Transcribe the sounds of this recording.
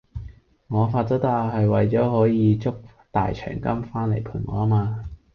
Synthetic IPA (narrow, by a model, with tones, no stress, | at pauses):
ŋɔː˨˧faː˧t̚t͡sɔ˥t̪aː˧hɐ˨jwɐ˨˩jt͡ʃɔː˨˥hɔː˨˥jiː˨˧t͡sʊ˥k̚ | t̪a̰ː˨jt͡ʃʰœ̰ː˨˩ŋkɐ˥mfaː˥nle˨˩jpʰuː˨˧˩nŋɔ̰ː˨˥a˥maː˧